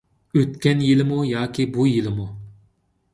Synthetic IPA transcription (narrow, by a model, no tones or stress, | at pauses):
øt̪kʲɛnjilɪmujɑːkʲibujilɪmu